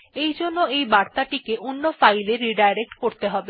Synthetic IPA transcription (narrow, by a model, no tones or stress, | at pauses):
ejd͡ʑonːoejbaɾt̪aʈikeʔonːofajleɾːiɖajɾek̚ʈkoɾt̪eɦɔbe